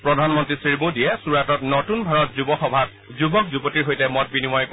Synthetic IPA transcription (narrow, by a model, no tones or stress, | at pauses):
pɹɔdʱanmɔntɹisɹimodiɛsuɹatɔtnotunbʱaɹɔtzubɔxɔbʱat̚ | zubɔk̚zubɔtiɹɦojtɛmɔt̚binimɔjk